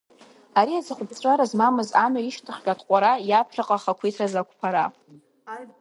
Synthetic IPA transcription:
aɾiazaχʷʊbt͡ɕʷʼaɾazmamɨzamaiʃtʰɨχʲɡʲʼatʰqʷʼaɾajapʰrɨqʼaχakʷʰitʰrazakʷʰpʰaɾa

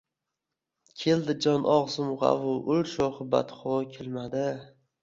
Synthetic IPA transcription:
kʲʰe̞ld̪ɪd͡ʒɒnʔɒʁzʊmʁɑ̰vʊʔʊlʃoχɨba̰t̪χokʲʰelmad̪ɪ

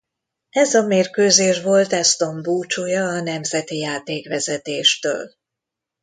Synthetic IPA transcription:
ɛzɒmeːrkøːzeːʃʋo̞lt̪ɛst̪o̞mbuːt͡ʃoːjɒːnɛmzɛt̪ijaːt̪eːkʋɛzɛt̪eːʃt̪ø̰ːl

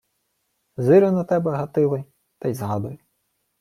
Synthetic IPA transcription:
zɪɾʲʊnɐt̪ɛbɛɦɐt̪ɪlˠɪj | t̪ɐjzɦɑd̪ʊjʊ

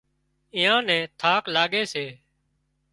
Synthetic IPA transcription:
ɪ̃ːãːnɛ̃ːt̪ʰaːklaːɠeːseː

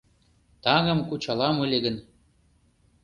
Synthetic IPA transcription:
t̪ɑŋɤ̆mkut͡ɕɑlɑmulʲeɡə̆n

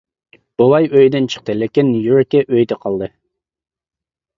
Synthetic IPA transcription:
b̥ulˠɑjøjd̪ɪnt͡ʃʰə̥q̚t̪ʰɨlɪkʲinːujoɾkʲɛʔøjd̪ɛqʰɑlˠd̪ɨ

